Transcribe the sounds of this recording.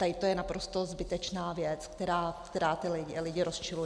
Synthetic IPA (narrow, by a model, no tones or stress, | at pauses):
t̪adɪt̪o̞jɛnapɾo̞st̪o̞zbɪt̪ɛt͡ʃnaːvjɛt͡skt̪ɛɾaːkt̪ɛɾaːt̪ɪlɪɪlɪɟɪɾost͡ʃɪlu